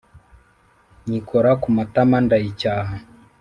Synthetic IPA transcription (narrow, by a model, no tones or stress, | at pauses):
ɲikɔɾakumat̪amandait͡ʃaa